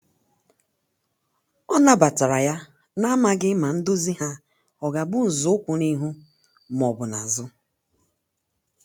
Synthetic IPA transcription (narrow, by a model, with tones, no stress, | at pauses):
ɔ˦na˦ba˨ta˨ɾa˨ja˦ | na˦ma˦ɡɪ˦ma˨n̩˦dʊ˦zi˦ha˦ | ɔ˨ɡa˨bʊ˦n̩˨zʊ˦ʊ˦kʷʊ˨ni˦ɦu˦ | m˨ɔ˨bʊ˨na˨zʊ˦